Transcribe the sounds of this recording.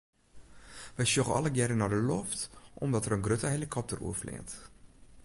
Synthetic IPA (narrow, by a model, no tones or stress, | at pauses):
ʋəjsukəɔ̰ləɡjɛɾənadəlɔftʔɔmdɔtəɾənɡrøtəɦelikʰɔp̚tərṵəflɪ̰ːt